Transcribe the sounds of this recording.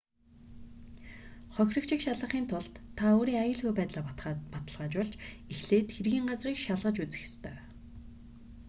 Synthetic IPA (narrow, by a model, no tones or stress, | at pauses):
χœxʲrɞ̆kt͡ɕʰɪ̆kʃaɮʁə̆χiːnt̪ʰʊɮt̪ʰːaoːɾiːŋajə̆ɮɣujpæːt̪ɮaːpat̪ə̆ɮʁaːt͡ɕpɔɮt͡ɕixɮeːt̪xerɣʲiːŋɢat͡sriːkʃaɮʁə̆t͡ɕut͡sɘ̥̆xe̥st̪ʰœː